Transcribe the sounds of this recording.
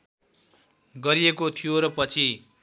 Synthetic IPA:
ɡʌɾiekot̪ʰijoɾʌpʌt͡sʰi

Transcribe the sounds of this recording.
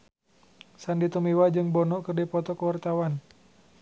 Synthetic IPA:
sandit̪umiwad͡ʒɨŋbɔnɔʔkɨrdipɔt̪ɔkəwart̪awan

